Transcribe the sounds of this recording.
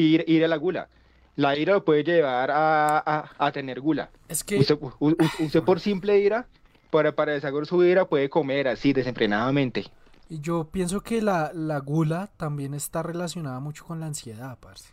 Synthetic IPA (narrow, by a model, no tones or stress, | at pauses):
iɾʔiɾalaɣula̰ | laiɾalopwe̞ðed͡ʒe̞βaɾaː | t̪e̞neɾɡula̰ | eskest̪euust̪epoɾsimple̞iɾa | paɾapaɾaesaɣoɾsuiɾapwe̞ðeko̞me̞ɾasid̪e̞se̞ɱfɾenaðamẽnt̪e | id͡ʒo̞pje̞ns̬o̞ke̞lalaɣulat̪ambje̞ne̞st̪are̞las̬jo̞naðamut͡ʃo̥ko̞nlaːnsje̞ðaðpaɾse̥